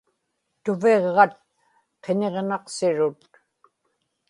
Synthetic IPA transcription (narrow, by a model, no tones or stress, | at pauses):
t̪ʊve̞ʁːɑt̪̚ | qʰe̞ne̞ʁnɑqsɪɻʊt̪